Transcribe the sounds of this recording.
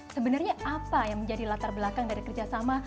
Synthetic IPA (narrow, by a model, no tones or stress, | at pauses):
səbənarɲaapajaŋməɲd͡ʒadilat̪arbəlakaŋdaɾikərd͡ʒasama